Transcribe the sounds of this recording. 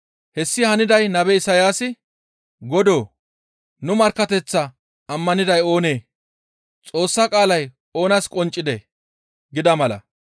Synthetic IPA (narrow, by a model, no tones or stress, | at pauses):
hɛsːɪhɐnɪd̪ɐjnɐbɛɪsɐjaːsɪ | ɡɔd̪o̞ː | nʊmɐɾkːɐt̪ɛt͡sːɐ | ɐmːɐnɪd̪ɐjo̞ːne̞ː | t͡sʼo̞ːsːakʼaːlɐj | o̞ːnɐskʼɔnt͡ʃʼːɪd̪ɛ | ɡɪd̪ɐmɐlɐ̰